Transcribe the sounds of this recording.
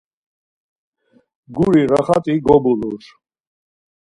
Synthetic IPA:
ɡuɾiɾaχat̪ʼiɡɔbuluɾ

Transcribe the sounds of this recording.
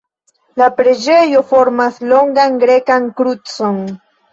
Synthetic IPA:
lapɾed͡ʒejofoɾmaslo̞ŋɡaŋɡɾekaŋkɾut͡son

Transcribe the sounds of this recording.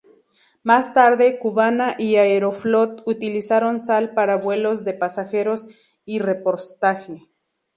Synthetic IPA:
mast̪aɾðekuβanaʔiaeɾoflot̪ut̪ilisaɾonsalpaɾaβwelozðepasaxeɾos | irepoɾst̪axe

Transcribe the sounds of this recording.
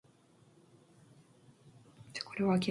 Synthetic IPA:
ḁkʰo̞ɾe̞βakʲi

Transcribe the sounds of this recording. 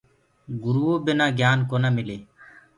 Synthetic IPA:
ɡʊɾuːoːbenãːɡjaːnkoːnaːmɪleː

